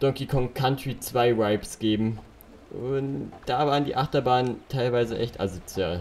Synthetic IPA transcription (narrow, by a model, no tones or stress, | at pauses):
d̥ɔŋkikʰɔŋkʰantʁ̥it͡sv̥aɪvaɪpsɡ̥eːbm̩ | ʔʊntd̥aːvaːʁəndḭːʔaχtɐbaːnəntʰaɪlvaɪzəʔɛçtʔa̰zot͡sja̰ːl